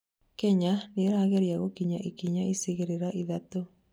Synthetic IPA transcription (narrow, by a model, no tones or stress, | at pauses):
kɛɲaneɾaːɣeɾiaɣokiɲaʔikiɲaiseɣeɾeɾaʔiðato